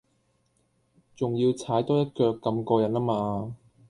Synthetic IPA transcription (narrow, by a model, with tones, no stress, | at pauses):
t͡sʊ˨ŋjiː˧wt͡sʰaː˨˥jt̪ɔː˥jɐ˥t̚kœː˧kːɐ˧mkɔː˧jɐ˨˥naː˥maː˧